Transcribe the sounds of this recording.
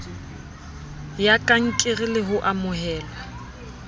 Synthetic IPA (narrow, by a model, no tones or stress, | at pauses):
jakʼaŋ̩kʼɪrɪlɪɦʊʔamʊɦɛːlwa